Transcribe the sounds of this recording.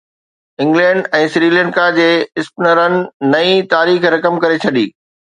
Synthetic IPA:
ɪ̃ŋɡlɛ̃ːɳɖɛ̃ːsɾiːlɛ̃ːɳɖkad͡ʑeːɪspɪnəɾənɪ̆nɐĩt̪aːɾiːxɾɐkəmkɐɾet͡ɕʰɐɗiː

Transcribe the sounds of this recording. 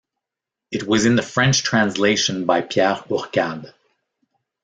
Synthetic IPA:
ɨt̚wʌzɨ̃nðɨfɹɛ̃nt͡ʃtʰɹ̥æ̃nsleɪʃɨ̃nbaɪpʰjɛʁʊʁkad

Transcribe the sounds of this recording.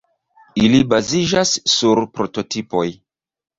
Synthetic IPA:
ilibazid͡ʒasːuɾpɾo̞to̞tʰipo̞j

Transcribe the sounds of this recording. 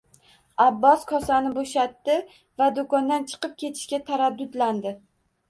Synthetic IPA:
abːɒskʰɒsanɪboʃat̪ːɪ | vad̪okɒnd̪ant͡ʃʰɨ̥qɨp̚kʲʰe̞t̪ʰɪ̥ʃkʲat̪ʰaɾad̪ːʊd̪land̪ɪ

